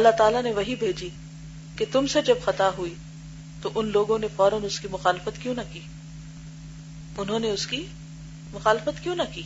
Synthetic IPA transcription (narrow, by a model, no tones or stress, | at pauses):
ɐlːat̪aːlaneʋɐɦibʱeːd͡ʒi | ket̪ʊmsed͡ʒɐbxɐt̪aɦui | t̪oʔʊnloːɡõnefɔːɾə̃nʊskimʊxaːlɪfət̪kjõnɐkiː | ʊnɦõːneʊski | mʊxaːlɪfət̪kjõːnɐkiː